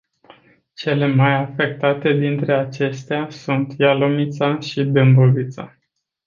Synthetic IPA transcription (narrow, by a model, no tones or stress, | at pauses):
t͡ʃe̞le̞majafe̞k̚t̪at̪e̞d̪int̪ɾe̞at͡ʃe̞st̪easunt̪jalomit̪saʃid̪ɨmbovit̪sa̰